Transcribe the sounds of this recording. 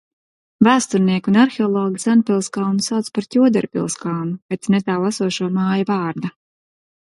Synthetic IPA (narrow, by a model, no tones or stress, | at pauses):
væːst̪uɾniɛkʲunaɾxeɔlˠɔːɡisanpʲilˠskalˠnusawt̪spaɾt̪ʲuɔd̪ɛ̰ɾpʲḭlˠskalˠnupɛt̪snɛt̪aːlˠasuɔʃuɔmaːjavaːɾd̪a